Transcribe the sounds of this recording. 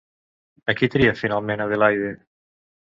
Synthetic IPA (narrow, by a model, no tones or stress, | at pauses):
akit̪ɾiafinalˠmenaðelajðe